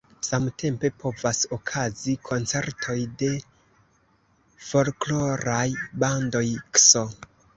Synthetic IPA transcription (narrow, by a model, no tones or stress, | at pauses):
samtʰe̞mpe̞pʰo̞vaso̞kʰazikʰo̞nt͡se̞ɾtʰo̞jde̞ | fo̞lklo̞ɾajbando̞jkso